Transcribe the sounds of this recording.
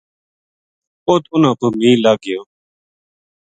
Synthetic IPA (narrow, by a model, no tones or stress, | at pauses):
oːt̪ʊnãːpʊːmiːlaːɡɪjoː